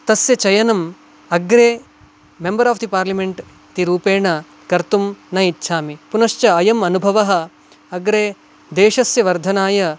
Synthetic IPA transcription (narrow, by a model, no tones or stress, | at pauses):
t̪ɐsjɐt͡ʃɐjɐnɐm | ɐɡɾeː | membɐɾaːfd̪ipaːɾlɐmeɳʈ | t̪iɾuːpeːɳɐ | kɐɾt̪umnɐjitːʃʰaːmipunɐʃt͡ʃɐɐjɐmɐnubʱɐʋɐɦɐ̆ | ɐɡɾeː | d̪eːʃɐsjɐʋɐɾd̪ʱɐnaːjɐ